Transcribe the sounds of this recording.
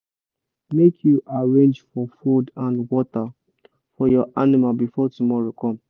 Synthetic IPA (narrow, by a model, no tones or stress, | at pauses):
mekʰjuʔaɹẽnd͡ʒfɔfudãnwɔta | fɔjɔʔanimalbifɔtumɔɹokʰɔ̃m